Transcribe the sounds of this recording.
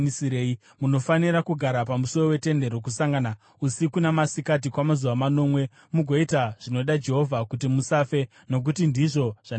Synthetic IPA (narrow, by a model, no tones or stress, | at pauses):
isiɾeːi | muno̞faniɾakuɡʱaɾapamuso̞rowe̞te̞nde̞ɾo̞k̬usaŋɡana | usikunamasikat̬ikwamazuʋwamano̞ːmwe̞ | muɡʱo̞itaʐ̥ino̞ɗad͡ʒe̞ɦo̞vʱakutimusafe̞ | no̞k̬utindiʐo̞ʐ̥a